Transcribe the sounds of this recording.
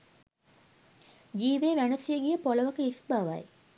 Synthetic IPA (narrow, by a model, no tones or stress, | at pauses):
d͡ʒiːʋeːʋænəsijəɡijəpoləʋəkəisbaʋa̰j